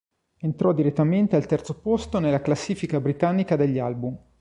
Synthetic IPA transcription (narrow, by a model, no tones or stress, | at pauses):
ent̪ɾɔd̪iɾet̪ːament̪ealt̪ɛrt̪sopost̪onelːaklasːiːfikabɾit̪anːikad̪eʎːalbum